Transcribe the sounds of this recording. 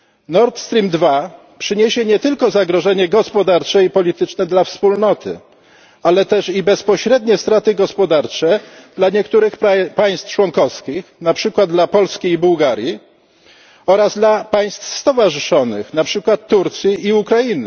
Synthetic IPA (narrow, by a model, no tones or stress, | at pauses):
nɔɾt̪st̪ɾʲimd̪va | pʂɘɲeɕɛɲɛt̪ɘlkɔzaɡɾɔʐɛɲɛɡɔspɔd̪aɾt͡ʂɛipɔlʲit̪ɘt͡ʂnɛd̪lafspulnɔt̪ʰɘ̰ | alɛt̪ɛʂibɛspɔɕɾɛd̪ɲɛst̪ɾat̪ɘɡɔspɔd̪aɾt͡ʂɛd̪laɲɛkt̪uɾɘxpaj̃st̪ft͡ʂwɔŋkɔfskʲixnapʂɘkwad̪̚d̪lapɔlskʲiːbuwɡaɾʲji | ɔɾazd̪lapaj̃st̪fst̪ɔvaʐɘʂɔnɘ̰xnapʂɘkwat̪ːuɾt̪sʲjiːukɾajinɘ